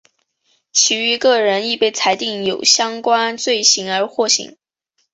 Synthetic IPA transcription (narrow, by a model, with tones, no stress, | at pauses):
t͡ɕʰi˧˥y˧˥kɤ˥˩ɻə˧˥ni˥˧pe˥˩ɪt͡sʰa˧˥ɪt̪i˥˩ŋjo˨˩ʊɕjɑ˥ŋkwa˥nt͡swe˥˩ɪɕi˧˥ŋə˞˧˥xwɔ˥˩ɕḭ˧˥˦ŋ